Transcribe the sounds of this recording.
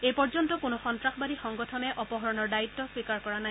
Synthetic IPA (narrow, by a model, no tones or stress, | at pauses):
ejpɔɹzɔntɔkʊnɔxɔntɹaxbadixɔŋɡɔtʰɔmɛʔɔpɔɦɔɹɔnɔɹdaitːɔswikaɹkɔɹana